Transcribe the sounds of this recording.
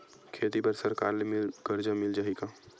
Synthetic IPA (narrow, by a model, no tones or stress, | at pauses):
kʰeːt̪ipɐɾsɐɾkaːɾlemɪlɡ̥ɐɾd͡ʒamɪld͡ʒaɦikaː